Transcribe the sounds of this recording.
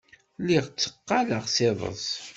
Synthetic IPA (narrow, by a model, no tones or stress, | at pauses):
liʁt͡sːə̥qːaləʁsɪðˤə̰zˤ